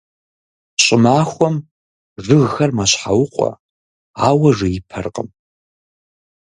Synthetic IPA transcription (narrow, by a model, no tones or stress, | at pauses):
ɕʼɪmaːxʷɔm | ʐɨɣxɐrmaɕħawʊqʷʼɔ̰ | aːwɐʐɨjɪpʰɐ̰rqʼəm